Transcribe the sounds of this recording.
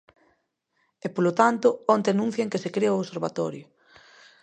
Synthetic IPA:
epolot̪ant̪ʊɔnt̪eanũn̟θjeŋkesekɾeoseɾβat̪ɔɾjʊ

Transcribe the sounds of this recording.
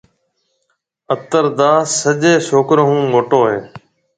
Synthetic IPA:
ət̪əɾd̪aːsəʄeːsoːkɾəɦũːmoːʈoːɦeː

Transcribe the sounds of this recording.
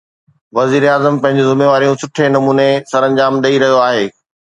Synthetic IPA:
ʋɐziːɾaːzəmpɐ̃ɦɪ̃ɲd͡ʑezʊmeːʋaːɾijũsʊʈʰenɐmuːnesɐɾɐ̃ɲd͡ʑaːmɗɐiɾɐɦijoaːɦeː

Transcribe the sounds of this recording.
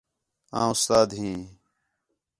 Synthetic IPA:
ã̰ːʊst̪aːd̪ɦĩː

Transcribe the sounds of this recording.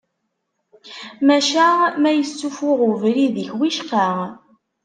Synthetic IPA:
mæʃæmæjəsːufʊʁuvɾiðəçwiʃqa

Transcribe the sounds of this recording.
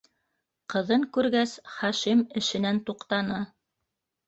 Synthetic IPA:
qɤ̆ðɤŋkʉɾɡæsχɑʃimɘ̆ʃɘ̆nænt̪uqt̪ɑnɤ

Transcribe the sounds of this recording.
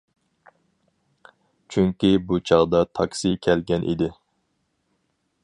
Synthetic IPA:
t͡ʃʰyŋkʲibut͡ʃʰɑʁd̪ɑt̪ʰɑksikʲʰɛlɡʲɛnʔḭd̪ɪ

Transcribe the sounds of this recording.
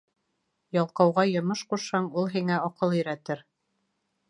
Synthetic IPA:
jɑlˠqɑwʁɑjɤ̆mɤʃquʃhɑɴulˠɦiŋæɑqɤlˠɵ̆jɾæt̪ɘɾ

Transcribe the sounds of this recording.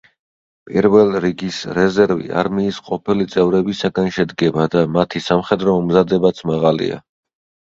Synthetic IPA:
pʼḭɾvɛlˠɾiɡisɾɛzɛɾvḭa̰ɾmiːsqʼɔpʰilit̪sʼɛvɾɛbisaɡanʃɛd̪ɡɛbad̪amat̪ʰisamχɛd̪ɾɔmɔmzad̪ɛbat̪sʰmaʁalḭa̰

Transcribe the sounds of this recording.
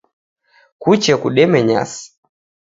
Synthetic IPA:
kut͡ʃɛkuɗɛmɛɲa̰si̥

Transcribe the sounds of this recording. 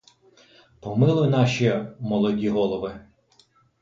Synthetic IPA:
pɔmɪlˠʊjʊnɑʃʲimɔlˠɔdʲiɦɔlˠɔʋɪ

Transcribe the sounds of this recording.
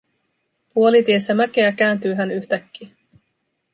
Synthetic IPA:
puo̞lit̪ie̞sːæmæk̟e̞æk̟æːnt̪yːɦænyçt̪ækːiː

